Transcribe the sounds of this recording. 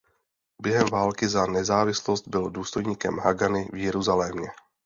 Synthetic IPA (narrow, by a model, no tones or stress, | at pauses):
bjɛɦɛmvaːlkɪzanɛzaːvɪslo̞st̪̚bɪlduːst̪o̞jɲiːkɛmɦaɡanɪvjɛɾuzalɛːmɲɛ